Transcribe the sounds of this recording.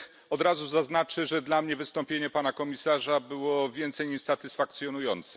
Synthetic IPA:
ɔd̪ɾazuzaznat͡ʂɘʐɛd̪lamɲɛvɘst̪ɔmpʲjeɲɛpanakɔmʲisaʐabɘwɔvʲjɛnt̪sɛjɲiʂsat̪ɘsfak̚t̪sʲjɔnujɔnt̪sɛ̥

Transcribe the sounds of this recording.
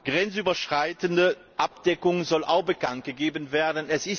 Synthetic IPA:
ɡ̥ʁɛnt͡syːbɐʃʁ̥aɪtəndə | ʔap̚d̥ɛkʊŋzɔlʔa̰ʊxb̥əkant̚ɡ̥əɡeːbənveːɐdən̩ɛsɪs

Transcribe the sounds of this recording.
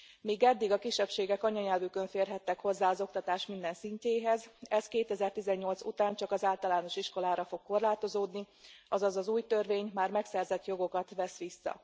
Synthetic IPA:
miːɡɛd̪ːiɡɒkiʃːɛpʃeːɡɛkɒɲɒɲɛlvykøɱfeːrɦɛt̪ːɛkho̞zːaːɒzo̞k̚t̪ɒt̪aːʃt̪mind̪ɛnsiɲceːɦɛzɛskeːt̪ɛzɛrt̪izɛɲːo̞lt̪sut̪aːnt͡ʃɒkɒzaːlt̪ɒlaːno̞ʃiʃko̞laːɾɒfo̞kːo̞rlaːt̪o̞zoːd̪ni | ɒzɒzɒzuːjt̪ørveːɲmaːrmɛksɛrzɛt̪jo̞ɡo̞kɒt̪ʋɛsʋisːɒ̰

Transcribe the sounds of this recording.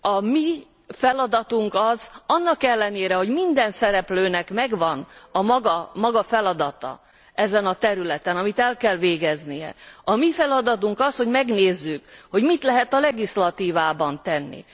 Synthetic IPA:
ɒmi | fɛlɒd̪ɒt̪uŋkɒzɒnːɒkɛlːɛneːɾɛho̞ɟmind̪ɛnsɛɾɛpløːnɛkmɛɡvɒnɒmɒɡɒmɒɡɒfɛlɒd̪ɒt̪ɒ̰ | ɛzɛnɒt̪ɛɾylɛt̪ɛnɒmit̪ɛlkɛlveːɡɛznijɛ̰ɒmifɛlɒd̪ɒt̪uŋkɒsho̞ɟmɛɡneːzːykho̞ɟmit̪lɛɦɛt̪ɒlɛɡislɒt̪iːvaːbɒnt̪ɛnːḭ

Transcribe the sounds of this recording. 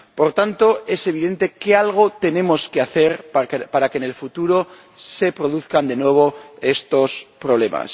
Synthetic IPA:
po̞ɾt̪ant̪o̞e̞se̞β̞iðe̞nt̪e̞ke̞alɣ̞o̞t̪e̞ne̞mo̞skeaθe̞ɾppaɾake̞ne̞lfut̪uɾo̞ | se̞pɾo̞ðuθkand̪e̞nwe̞β̞o̞e̞st̪o̞spɾo̞βle̞ma̰s

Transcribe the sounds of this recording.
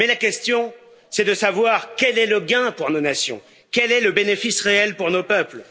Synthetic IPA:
mɛlakʲɛst̪jɔ̃ | sɛd̪əsavwaʁkʲɛlɛləɡɛ̃puʁnonasjɔ̰̃ | kʲɛlɛləbenefisʁeɛlpuʁnopœpl

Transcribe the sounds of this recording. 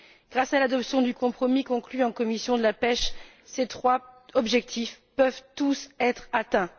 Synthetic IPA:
ɡ̥ʁasalad̪ɔpsjɔ̃d̪ykɔ̃pχɔmikɔ̃klyɑ̃kɔmisjɔ̃d̪əlapɛʃ | set̪χwaɔbʒɛk̚t̪ʰif | pœvt̪usɛt̪χat̪ɛ̃

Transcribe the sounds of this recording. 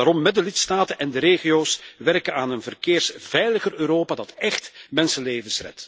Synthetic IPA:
aːɾɔmːɛt̚dəlɪtstaːtənɛndəɾeːɣijoːsʋɛrkənaːnənvərkeːrsv̥ɛjləɣərøːɾoːpadɑtɛxtmɛnsənleːvənsrɛ̰t

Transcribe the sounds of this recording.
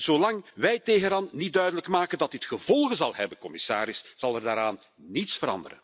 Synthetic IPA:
z̥olɑŋʋɛjteːɣənaːnnit̚dœɥdələkmaːkəndɑt̚ɪtxəvɔlˠɣəzɑlˠɦɛbəkɔmɪsa̰ːɾɪsz̥ɑlˠɛrdaːɾaːn | nitsfəɾɑ̰ndəɾə̰n

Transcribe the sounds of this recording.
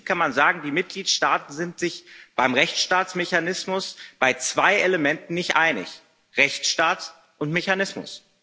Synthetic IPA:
kʰanmanzaːɡŋ̩diːmɪt̚ɡ̥liːtʃtaːtn̩zɪntz̥ɪçb̥aɪmʁɛçt͡sʃtaːtt͡smeçanɪsmʊsb̥aɪt͡sv̥aɪʔeləmɛntn̩nɪçtʔaɪnɪ̰ç | ʁɛçtʃtaːts | ʔʊntmeçanɪsmʊ̰s

